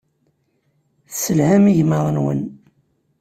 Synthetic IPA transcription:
səlhæmiʝməðˤənwə̰n

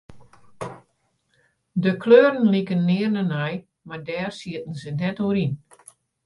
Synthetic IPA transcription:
dəkʰløːɾən̩likənːɪːərnənɛj | mardɛːrsiətən̩zənɛtoːɾin

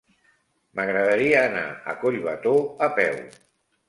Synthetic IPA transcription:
məɣɾəðəɾiəːna̰ə̰koʎβət̪oəpɛw

